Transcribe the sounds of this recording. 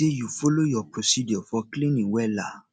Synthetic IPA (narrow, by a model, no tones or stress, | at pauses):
ejufolojɔpɾosidjɔfɔklĩnĩwɛla